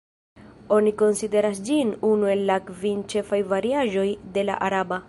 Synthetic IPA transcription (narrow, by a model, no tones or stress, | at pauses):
o̞niko̞nsid̪e̞ɾasd͡ʒinunue̞lːakvint͡ʃe̞fajvaɾiaʒo̞jd̪e̞la̰ʔaɾaba